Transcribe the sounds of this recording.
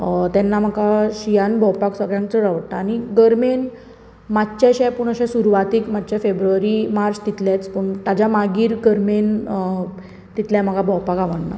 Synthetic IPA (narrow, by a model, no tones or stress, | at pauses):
t̪ɛnːam̤əkaɕijanbʱɔwpaksəɡɭjãŋkt͡səɾaʋəɽʈ̪aːñiɡəɾmen | matt͡ɕaɕɛpuɳ̃əɕẽsuɾuʋat̪iːkmad̪t͡ɕafebɾuʋəɾimaɾt͡ɕt̪it̪ljat͡spuɳt̪ad͡ʑamaɡiːɾɡəɾmen | t̪it̪ljam̤əɡabʱɔwpakaʋəɳna̰